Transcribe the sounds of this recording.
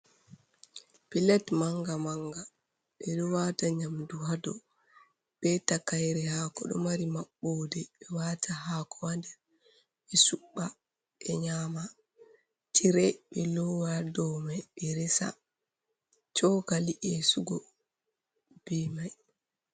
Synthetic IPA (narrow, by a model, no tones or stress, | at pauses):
pilɛtmaŋɡamaŋɡa | ɓɛɗɔwataɲamduhadɔ | b̥ɛtakajɾɛhaːkɔ̰ɗɔ̰maɾimaɓːodɛɓɛwatʰaɦaːkɔwandɛ | ɓɛsuɓːa | ɛɲama | tʰiɾɛɓɛlɔwadɔmaɓɛɾɛsa̰ | t͡ʃɔkaliʔɛsuɡɔ | b̥ɛmaj